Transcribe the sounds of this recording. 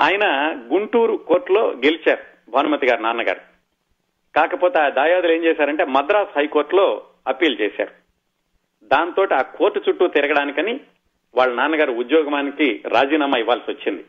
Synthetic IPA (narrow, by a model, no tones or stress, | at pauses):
aːjɐnɐɡuɳʈuːɾukoːɾʈlo̞ːɡe̞lit͡ʃaːɾu | bʱɐːnɐmɐt̪iɡaːɾunaːɾnɐɡa̰ːɾu | kaːkɐpoːt̪eaːd̪aːjaːd̪ule̞ːɲt͡ʃɛːʃaːɾɐɳʈe̞ːmɐd̪ɾaːshɐjko̞ːɾʈlo̞ː | ɐpiːlt͡ʃeːsa̰ːɾu | d̪aːnt̪o̞ːʈiaːkoːɾʈːut͡ʃuʈːuːt̪iɾɐɡɐɽaːnikɐni | ʋaːɭːɐnaːɾnːɐɡaːɾuud̪jɔːɡɐmaːnikiɾaːd͡ʒiːnaːmɐiʋːaːlɐsiʋɐt͡ʃːind̪i